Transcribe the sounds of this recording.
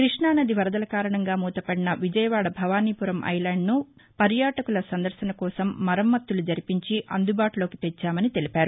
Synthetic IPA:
kɾiʂɳaːnɐd̪iʋɐɾɐd̪ɐlɐkaːɾɐɳɐŋɡaːmuːt̪ɐpɐɽinɐʋid͡ʒɐjɐʋaːɽɐbʱɐʋaːniːpuɾɐmʔɐ̰jlaːɳɖnu | pɐɾjaːʈɐkulɐsɐnd̪ɐɾsɐnɐkɔːsɐmːɐɾɐmːɐt̪ːulud͡ʒɐɾipiɲt͡ʃiʔɐ̰nd̪ubaːʈulo̞ːkit̪ɛt͡ʃːaːmɐnit̪e̞lipaːɾu

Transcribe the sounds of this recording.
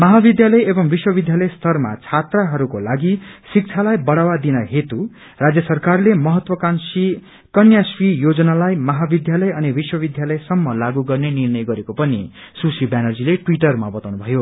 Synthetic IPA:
mʌɦabid̪jalʌjebʌmbiswʌbid̪jalʌjst̪ʰʌrma̰t͡sʰat̪raɦʌɾukolaɡisik̚t͡sʰalajbʌɽawad̪inʌɦet̪u | rad͡zjʌsʌrkarlemʌɦʌt̪wʌkansi | kʌnjasrijod͡zʌnalajmʌɦabid̪jalʌjʌnibiswʌbid̪jalʌjsʌmːʌlaɡuɡʌrnenirnʌjɡʌɾekopʌnisusibjanʌrd͡zileʈwiʈʌrmabʌt̪awnubʱʌjo

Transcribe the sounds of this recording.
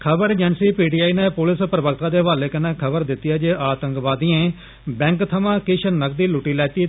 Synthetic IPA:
kʰəbəɾd͡ʒənsiːpiːʈiːaːiːnẽːpʊlɪspɾəbək̚t̪aːd̪eːʋaːleːkənɛ̃ːkʰəbəɾd̪ɪt̪ːɪjaːd͡ʒeːʔaːt̪ə̃ŋkʋaːd̪iːẽː | bɛ̃ːŋkt̪ʰəmãːkɪʃʰənəkd̪iːlʊʈːiːlɛːt̪iː

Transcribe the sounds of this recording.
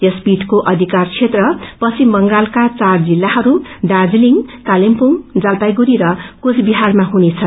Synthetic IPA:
jʌspiʈkoʔʌd̪ʱikart͡sʰet̪rʌpʌsimbʌŋɡalkat͡sard͡zilːaɦʌɾuɖad͡zliŋkalempuŋd͡zalpajɡuɾiɾʌkusbiɦarmaɦunet͡sʰʌn

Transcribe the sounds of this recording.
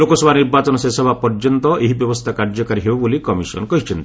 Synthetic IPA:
lokɔsɔbʱaniɾbat͡ʃɔnɔsesɔbʱapɔɾd͡ʒɔnt̪ɔʔeɦibjɔbɔst̪ʰakaɾd͡ʒɔkaɾiɦebobolikɔmisɔ̰nɔkɔɦit͡ʃʰɔnt̪

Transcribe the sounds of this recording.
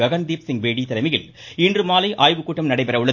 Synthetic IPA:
ɐɣɐnd̪eːpsɪŋɡʋeːɽiːt̪ɐlɐmɐjɪlɪndrɯmaːlɐɪʔaːjʋɯkːuːʈːɐmnɐɽɐɪpɐɾɐɯɭːɐ

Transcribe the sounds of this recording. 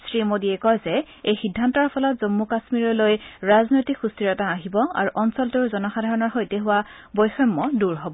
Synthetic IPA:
sɹimodiɛkɔjzɛ | ejxidʱːantɔɹpʰɔlɔtzomːukasmiɹɔlojɹaznojtikxustiɹɔtaːɦibɔa̰ɹuʔɔnsɔltuɹzɔnɔxadʱaɹɔnɔɹxojteɦʊwa | bɔjxɔmːɔduɹɦɔbɔ

